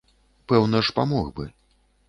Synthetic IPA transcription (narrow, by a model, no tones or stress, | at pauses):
pɛwnɐʂpa̰mɔɣbɨ̰